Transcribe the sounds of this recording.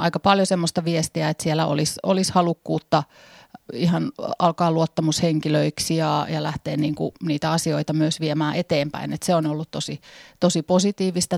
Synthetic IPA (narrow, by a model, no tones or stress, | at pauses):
ʔɑ̰ikɑpɑljosemːost̪ɑʋiest̪iæet̪sielæo̰liso̰lishɑlukːuːt̪ːɑ | ihɑnɑlkɑːluot̪ːɑmusheŋkiløiksijɑjɑlæht̪eːnniːŋkṵniːt̪æɑsioit̪ɑmyøsʋiemæːʔet̪eːmpæ̰inet̪seonolːut̪t̪osit̪osiposit̪iːʋist̪ɑ